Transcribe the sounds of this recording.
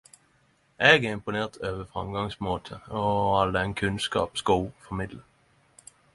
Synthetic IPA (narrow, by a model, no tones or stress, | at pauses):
ʔɛɡæɪmpʊneːʁt̪ʰøːʋəfʁɑ̰mɡɑŋsmoːt̪ʰəɔɑld̪ɛŋkʰʉnskɑ̰ːpsɡofɔmɪd̪lə